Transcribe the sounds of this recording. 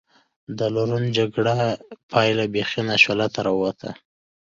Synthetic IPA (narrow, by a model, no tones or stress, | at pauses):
d̪əlaɾund͡ʒaɡɽapʰɑjlabexinaʃolat̪aɾɑwwat̪ʰa̰